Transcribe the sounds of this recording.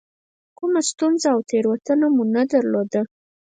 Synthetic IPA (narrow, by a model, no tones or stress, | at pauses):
kumast̪unzaːwt̪ʰeɾwat̪ənamunad̪aɾlod̪a